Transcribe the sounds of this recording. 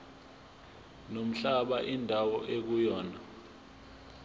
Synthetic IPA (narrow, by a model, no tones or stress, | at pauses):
nom̩ɬaɓaʔindʱawɔʔek̬ujɔːna